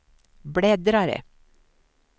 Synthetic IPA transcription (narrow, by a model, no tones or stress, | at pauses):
bɽeːd̪ɾɑɾə̰